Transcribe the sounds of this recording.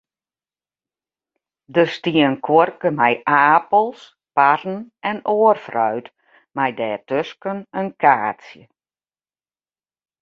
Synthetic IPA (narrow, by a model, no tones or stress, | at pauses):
dəstiənkʰworkəmɛjʔaːpəlˠs | parn̩ɛnoərfrœɥt | majdɛːtøskənənkʰaːsjə